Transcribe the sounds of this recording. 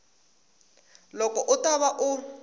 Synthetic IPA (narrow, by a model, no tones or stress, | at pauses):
lɔkʼɔʔʊtʼaβaʔʊ